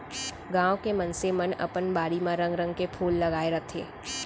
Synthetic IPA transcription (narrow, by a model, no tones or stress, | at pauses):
ɡãːwõkemɐ̃nsemənɐ̰pənbaːɾimãɾə̃ŋɡɾə̃ŋɡkepʰuːlːɐɡaːeɾɐt̪ʰḛː